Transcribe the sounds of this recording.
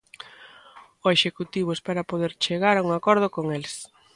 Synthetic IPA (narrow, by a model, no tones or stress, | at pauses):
oeʃekut̪iβ̞ʊspaɾapoðeɾt͡ʃeɣaɾuŋakɔɾð̞okoŋels